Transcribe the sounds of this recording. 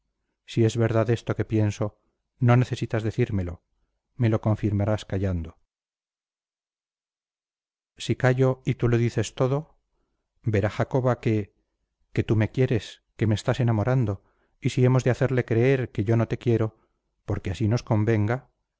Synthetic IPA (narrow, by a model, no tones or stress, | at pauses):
sie̞zβe̞ɾðaðe̞st̪o̞ke̞pje̞nso̞ | no̞ne̞θe̞sit̪azðe̞θiɾme̞lo̞̰ | me̞lo̞ko̞ɱfiɾmaɾaskaʎand̪o | sikaʝo̞it̪ulo̞ðiθe̞st̪o̞ðo̞ | be̞ɾaxako̞βake̞ | ke̞t̪ume̞kje̞ɾe̞s | ke̞meːst̪ase̞namo̞ɾand̪o̞ | isie̞mo̞zðeaθe̞ɾle̞kɾe̞e̞ɾke̞ʝo̞no̞t̪e̞kje̞ɾo̞ | po̞ɾkeasino̞sko̞mbe̞ŋɡa